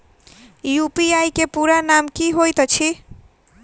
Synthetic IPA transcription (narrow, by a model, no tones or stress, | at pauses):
jupiajkepuɾanamkiɦojt̪ɔt͡ʃʰi